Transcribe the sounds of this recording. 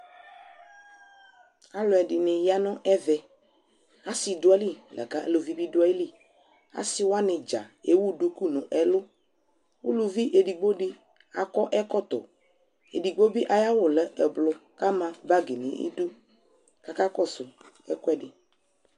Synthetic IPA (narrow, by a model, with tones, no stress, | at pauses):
a˦lɔ˨ɛ˨ɖi˨nẽ˨ja˦nɔ̃˦ʔɛ˦vɛ˨ | a˦si˨do˦a˦li˦˨lɛ̰˨ka˦ḛ˦lo˨vi˦bi˦do˦a˦i˦li˦ | a̰˦si˦wo˦a˦nɪ̃˨d͡ʒa̰˨e˦wu˦du˦ku˦nɔ̃˨ʔɛ˨lo˦ | wo˦lu˨vi˦ʔe˨ɖi˨ɡ͡bo˦ɖi˦ | a˨kɔ˦ʔɛ˦kɔ˦t̪ɔ̰˨ | ḛ˨di˨ɡ͡bo˦bi˦ʔa˨ja˦wo˨lɛ˨ɛ˨blɔ˨ka˦mã˨ba˦ɡe˨nḛ̃˨ʔḭ˦du˦ | ka˨ka˦kɔ˦sʊ˨ | ɛ̰˦kɔ˦ɛ˦ɖɪ˨